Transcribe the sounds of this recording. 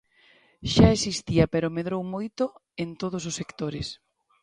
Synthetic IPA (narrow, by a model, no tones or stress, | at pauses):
ʃaesist̪iapeɾʊmeðɾowmojt̪ʊ | ent̪oð̞ʊs̬osːekt̪oɾɪs